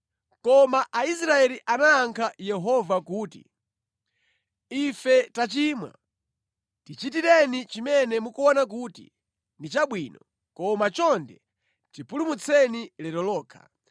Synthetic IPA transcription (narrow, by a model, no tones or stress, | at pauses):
kɔmaʔais̬ɾaɛliʔanaːŋkʰajɛɦɔvakuːtḭ | ifɛtat͡ʃimwa̰ | tit͡ʃitiɾɛnit͡ʃimɛnɛmukuɔnak̬uːtḭ | ndit͡ʃaɓwiːnɔ | kɔmat͡ʃɔndɛ | tipulumut͡sʰɛnilɛɾɔlɔːkʰḁ̰